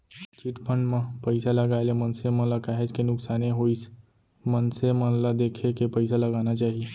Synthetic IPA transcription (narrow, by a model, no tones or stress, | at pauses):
t͡ʃiʈpʰə̃ɳɖmãpɐɪsalɐɡaːelemɐnsemə̃nlakaːɦed͡ʒkenʊksaːneɦois | mənsemə̃nlad̪eːkʰekepɐɪsalɐɡaːnat͡ʃaːɦieː